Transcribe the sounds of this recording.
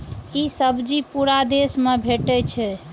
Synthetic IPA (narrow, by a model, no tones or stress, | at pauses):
isəbd͡ʒipuɾad̪esmebʱeʈɛt͡ʃʰɛ